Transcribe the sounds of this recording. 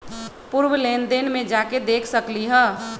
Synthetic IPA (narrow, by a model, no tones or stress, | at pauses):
puɾwəlend̪enmẽd͡ʒaked̪eːkʰsəkliɦɛ